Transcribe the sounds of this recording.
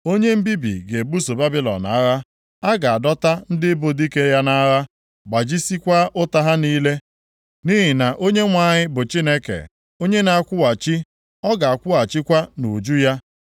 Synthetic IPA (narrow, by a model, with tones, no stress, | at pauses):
o˦ɲe˦m̩˦bi˦bḭ˨ɡe˨bu˦so˨ba˦bi˦lɔ̰˨na̰˨˦ɾa˦ | a˦ɡa˨a˨dɔ˦ta˦n̩˦dɪ˦bo˦di˦ke˦ja˦na˦ɾa˦ | ɡ͡ba˨d͡ʒi˦si˦kʷa˦ʔʊ˦ta˦ɦa˦niː˦le˦ | ni˦ɦi˨na˨ʔo˦ɲe˦ŋʷa˦˨ɲɪ˦bʊ˨t͡ʃi˦ne˦kḛ˨ | o˦ɲe˦na˨a˨kʷʊ˦wa˨t͡ʃi˦ | ɔ˦ɡa˨a˨kʷʊ˦a˨t͡ʃɪ˦kʷa˦nu˨d͡ʒu˦ja˦